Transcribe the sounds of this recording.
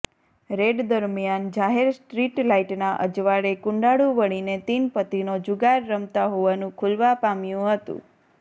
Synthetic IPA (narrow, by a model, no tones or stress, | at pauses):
ɾeɖd̪əɾmjand͡ʒaɦeɾsʈɾiʈlaiʈnaʔə̰d͡ʒʋaɾekʊ̃ɳɖaɽuʋəɽ̃inet̪inpət̪inod͡ʒuɡaɾːəmt̪aɦoʋanũkʰulʋapamjũɦət̪ṵ̃